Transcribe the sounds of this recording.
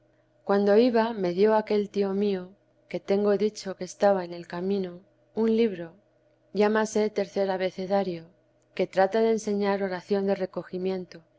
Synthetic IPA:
kwand̪o̞iβame̞ðjo̞ake̞lt̪io̞mio̞ | ke̞t̪e̞ŋɡo̞ðit͡ʃo̞keːst̪aβaene̞lkamĩno̞ | unliβɾo̞ | ʝamase̞t̪e̞ɾθe̞ɾaβe̞θe̞ðaɾjo | ke̞t̪ɾat̪aðe̞ːnse̞ɲaɾo̞ɾaθjo̞nd̪e̞re̞ko̞ximjẽ̞nt̪o

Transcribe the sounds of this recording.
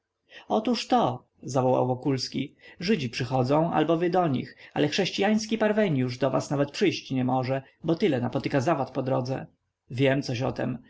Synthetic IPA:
ɔt̪uʂt̪ɔ | zavɔwa̰wvɔkulskʲiʐɘd͡ʑipʂɘxɔd̪zɔ̃w̃ʔa̰lbɔvɘd̪ɔɲḭxa̰lɛxʂɛɕt͡ɕijaj̃skʲipaɾvɛɲjuʐd̪ɔva̰snavɛt̪̚pʂɘjɕt͡ɕɲɛmɔʐɛ | bɔt̪ɘlɛnapɔt̪ɘkazavat̪pɔd̪ɾɔd̪zɛ̰ | vʲjɛmt̪sɔɕɔ̰t̪ɛ̰m

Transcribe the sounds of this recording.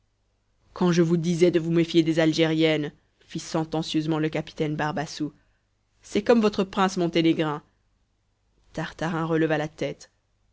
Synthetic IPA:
kɑ̃ʒəvud̪izɛd̪əvumefjed̪ezalʒeʁjɛn | fisɑ̃t̪ɑ̃sjøzmɑ̃ləkapi̥t̪ɛnbaʁbasu | sɛkɔmvɔt̪χəpχɛ̃smɔ̃t̪eneɡʁɛ̃ | t̪aʁt̪aʁɛ̃ʁələvalat̪ɛt̪

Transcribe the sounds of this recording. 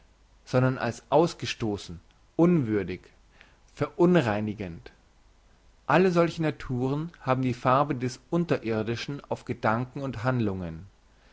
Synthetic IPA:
z̥ɔndɐnʔa̰lsʔaʊsɡ̥əʃtoːsn̩ | ʔʊnvʏɐdɪç | fɛɐʔʊnʁaɪnɪɡənt | ʔaləzɔlçənatʰuːʁ̞ənhaːbm̩diːfaɐbədɛsʔʊntɐʔɪɐdɪʃn̩a̰ʊfɡ̥ədaŋkŋ̩ʊnthandlʊŋən

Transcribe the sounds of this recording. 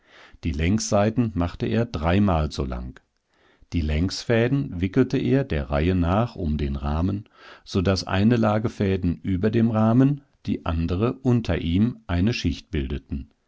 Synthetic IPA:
d̥iːlɛŋksz̥aɪtn̩maχtəʔeːɐdʁaɪmaːlzo̰ːla̰ŋ | d̥iːlɛŋsfɛːdn̩vɪkl̩təʔeːɐdeːɐʁaɪənaːχʔʊmdeːnʁaːmən | z̥odasʔa̰ɪnəlaːɡəfɛːdn̩ʔyːbɐdeːmʁaːmən | d̥iːʔa̰ndəʁəʔʊntʰɐʔiːmʔaɪnəʃɪçt̚b̥ɪldətn̩

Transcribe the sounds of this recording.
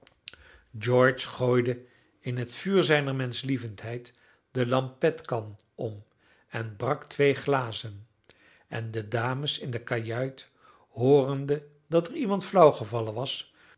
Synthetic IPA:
d͡ʒɔɹt͡ʃχoːjdə | ɪnɦətfyːɹzɛjnəɹmɛnslivəntɦɛjt | dəlɑmpɛtkɑn | ɔm | ɛnbrɑktʋejχlaːzən | ɛndədaːməsɪndəkajœɥt | hʊːrəndə | dɑtɛrimɑntflɑwχəvɑlənʋɑs

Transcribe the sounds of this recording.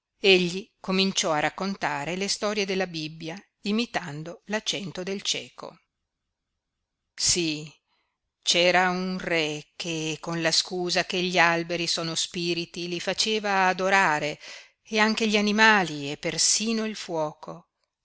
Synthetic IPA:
eʎːikomint͡ʃɔarakːont̪aːɾelest̪ɔɾjed̪elːabibːja | imit̪and̪olat͡ʃːɛnt̪od̪elt͡ʃɛːko̰ | si | t͡ʃɛːɾaunrɛkekːonlaskuːzakeʎːialbeɾisoːnospiːɾit̪ilifat͡ʃeːvaːd̪oɾaːɾe | eaŋkeʎianimaːliepːersiːnoilfwɔːko

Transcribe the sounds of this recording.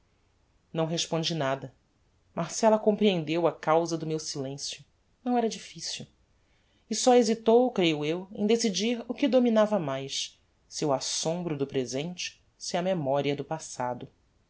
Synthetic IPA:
nɐ̃w̃ɦeʃpõd͡ʒinad̪ɐ | maɾsɛlɐkõpɾiẽnd̪ewɐkawzɐd̪ʊmewsilẽsjʊ | nɐ̃w̃ɛɾɐd͡ʒifisiw | ɪsɔezit̪owkɾejʊewḛ̃d̪esid͡ʒiɾʊkɪd̪ominavɐmajs | siwasõmbɾʊd̪ʊpɾezẽt͡ʃɪ̥ | siɐmemɔɾiɐd̪ʊpasa̰d̪ʊ

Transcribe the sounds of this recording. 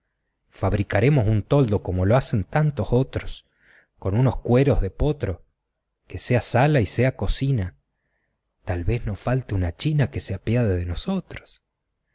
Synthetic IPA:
faβ̞ɾikaɾe̞mo̞sunt̪o̞ld̪o̞ko̞mo̞loase̞nt̪ant̪o̞so̞t̪ɾos | ko̞nuno̞skwe̞ɾo̞zðe̞po̞t̪ɾo̞ | keseasalaiseako̞sina | t̪alβe̞znofalt̪eunat͡ʃinake̞seapjaðeðenoso̞t̪ɾo̥s

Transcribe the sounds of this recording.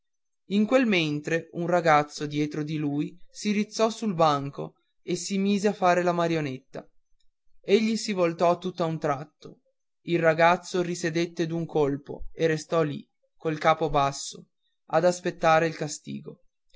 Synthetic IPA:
iŋkwelment̪ɾeunraɡat̪sːod̪jɛːt̪ɾod̪iluːjsiɾit̪sːɔsulbaŋko̰ | esimiːzeafːaːɾelamaɾjonet̪ːa̰ | eʎːisivolt̪ɔt̪ːut̪ːaunt̪ɾat̪ːo | ilraɡat̪sːorised̪et̪ːed̪uŋkolpo̰erːest̪ɔlḭ | kolkaːpobasːo | ad̪aspet̪ːaːɾeilkast̪ḭːɡo

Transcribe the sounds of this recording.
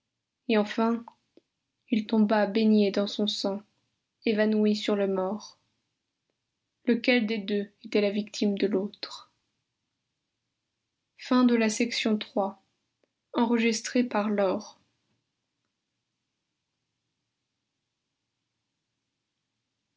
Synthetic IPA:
eɑ̃fɛ̃ | ilt̪ɔ̃babeɲjed̪ɑ̃sɔ̃sɑ̃ | evanwisyʁləmɔʁ | ləkʲɛld̪ed̪øet̪ɛlavikt̪ʰimd̪əlot̪χ | fɛ̃d̪əlasɛksjɔ̃t̪χwa | ɑ̃ʁəʒist̪χepaʁlɔʁ

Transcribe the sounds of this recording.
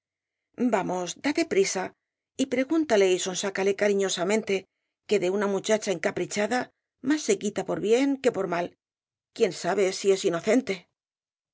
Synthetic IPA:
bamo̞zd̪at̪e̞pɾisa | ipɾe̞ɣunt̪ale̞iso̞nsakale̞kaɾiɲo̞samẽ̞nt̪e̞ | ke̞ðe̞unamut͡ʃat͡ʃae̞ŋkapɾit͡ʃaða | masːe̞kit̪apo̞ɾβje̞ŋke̞po̞ɾmal | kje̞nsaβe̞sie̞sino̞θe̞nt̪e̞

